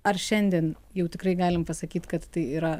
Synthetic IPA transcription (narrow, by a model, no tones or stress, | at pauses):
ɐrʃʲɛnʲd̪ʲiːn | jɛʊt̪ʲɪkɾɐɪɡɑːlʲɪmpɐsɐkʲiːt̪kɐt̪tɐɪiːɾɐ